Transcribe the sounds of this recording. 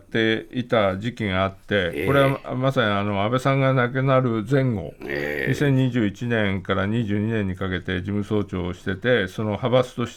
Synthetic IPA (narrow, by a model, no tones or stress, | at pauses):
t̪ːe̞it̪ad͡ʑikʲiŋaat̪ːe̞ko̞ɾe̞amasaɲiano̞abe̞sãŋɡanakɯnaɾɯ̟d͡zẽ̞ŋɡo̞̰ɲisẽ̞ɲ̟ːiʑɨːit͡ɕinẽ̞ŋkaɾaɲ̟iʑɨːɲ̟inẽ̞ɲ̟ːikake̞t̪e̞d͡ʑimɯ̟so̞ːt͡ɕo̞ːɕi̥t̪e̞t̪e̞so̞no̞habasɨ̥t̪o̞ɕi̥